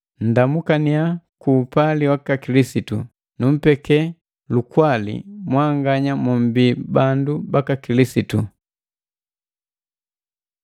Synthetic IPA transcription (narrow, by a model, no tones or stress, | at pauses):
n̩damukaniakuːpaliwakakilisitṵ | num̩pɛkɛ | lukwalḭmwaŋɡaɲamum̩bibandubakakilisitu